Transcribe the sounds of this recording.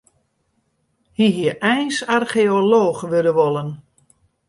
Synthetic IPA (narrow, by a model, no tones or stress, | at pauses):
hiɦiəʔɛjnsarχeoloːxʋødəʋɔlən